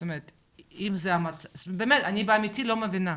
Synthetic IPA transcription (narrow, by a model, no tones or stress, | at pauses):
t̪omeʁet̪ | imzeamat͡sabeːmetanibeamit̪ilo̞mevina